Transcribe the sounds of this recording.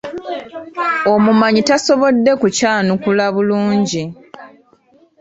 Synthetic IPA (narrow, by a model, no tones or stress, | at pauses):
o̞mumaɲitaso̞βo̞dːe̞kucaːnukulaβuluːɲɟi